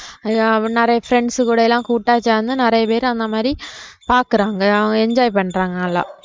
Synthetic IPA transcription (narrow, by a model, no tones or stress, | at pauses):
nɪɾɐjɐfɾɛɳɖsɨkuːɽɐɛlːãːkuːʈːaːt͡ʃːaːɐnːɯnɪrɐjɐpeːɾ̃ɐnd̪ɐmaːd̪ɾipaːɾkɯɾaːŋɡɐɐɐɡɛɲd͡ʒaːjpɐɳːɾaːŋɡɐnɐlːa̰ː